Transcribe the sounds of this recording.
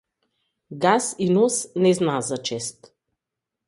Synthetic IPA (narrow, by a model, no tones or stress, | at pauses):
ɡasinɔsnɛznazat͡ʃɛst̪